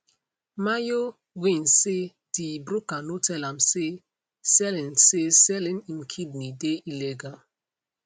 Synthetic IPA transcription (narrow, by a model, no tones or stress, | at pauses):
majo | wĩnse | d̥ibɾukanotʰɛlãmse | sɛlĩnsesɛlĩnimkʰid̚nideʔilɛɡa